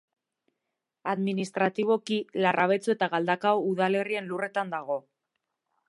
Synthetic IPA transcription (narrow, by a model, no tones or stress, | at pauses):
aðminist̪ɾat̪iβ̞o̞kilarʔaβ̞e̞t͡sue̞t̪aɣald̪akauðale̞rie̞nlure̞t̪and̪aɣ̞o̞